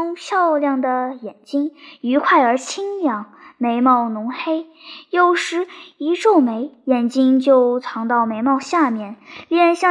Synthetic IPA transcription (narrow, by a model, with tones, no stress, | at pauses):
ʊ˥ŋɕjɑ˥˧ʊljɑ˥˩ŋd̪ə˩jɛ˨˩nt͡ɕi˥ŋy˧˥kʰwa˥˩ɪə˞˧˥t͡ɕʰi˥ŋjɑ˨˧˩ŋme˧˥ɪmɑ˥˩ʊnʊ˧˥ŋxe˥ɪjo˥˩ʊʂɻ̩˧˥i˧˥ʈ͡ʂo˥˩ʊme˧˥ɪjɛ˨˩nt͡ɕi˥ŋt͡ɕjo˥˧ʊt͡sʰɑ˧˥ŋt̪ɑ˥˩ʊme˧˥ɪmɑ˥˧ʊɕja˥˧mjɛ˥˩nli˥˧nɕjɑ˥˧